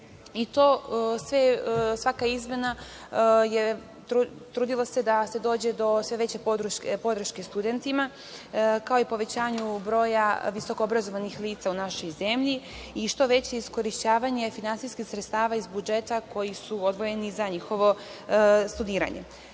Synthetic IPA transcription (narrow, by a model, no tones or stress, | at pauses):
it̪o̞sʋesʋakaizme̞na | je | t̪ɾut̪ɾuːd̪ilˠosed̪ase̞d̪o̞ːd͡ʑe̞d̪o̞sʋeʋe̞t͡ɕe̞pod̪ɾuʃkepo̞d̪ɾ̩ʃke̞st̪ud̪e̞nt̪ima | kao̞ipo̞ʋe̞t͡ɕaːɲubɾo̞ːjaʋiso̞koobɾazo̞ʋanixliːt̪saunaʃo̞jze̞mʎi | iʃt̪o̞ʋe̞t͡ɕe̞isko̞ɾiʃt͡ɕaːʋaɲe̞finant̪siskixsɾet̪st̪aːʋaizbud͡ʒe̞t̪ako̞jisuod̪ʋo̞je̞nizaɲixo̞ʋo̞ | st̪ud̪iːɾa̰ɲḛ